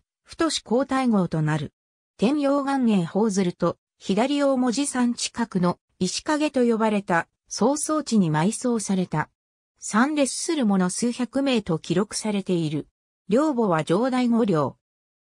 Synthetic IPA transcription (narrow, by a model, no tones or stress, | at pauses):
ɸɯ̟̥t̪o̞ɕi̥ko̞ːt̪aiŋo̞ːt̪o̞naɾɯ̟ | t̪ẽ̞mbʲo̞ːɡãŋɡẽ̞ɰ̃ho̞ːzɨɾɯ̟t̪o̞ | çid̪aɾʲio̞ːmo̞ʑisãɲ̟t͡ɕi̥kakɯ̟no̞ | iɕi̥kaɡe̞t̪o̞jo̞baɾe̞t̪a | so̞ːso̞ːt͡ɕiɲ̟imaiso̞ːsaɾe̞t̪a | sãnɾe̞sɨ̥sɨɾɯ̟mo̞no̞sɨːçakɯ̟me̞ːt̪o̞kʲiɾo̞kɯ̟̥saɾe̞t̪e̞iɾɯ̟ | ɾʲo̞ːbo̞β̞ad͡ʑo̞ːd̪aiŋo̞ɾʲo̞ː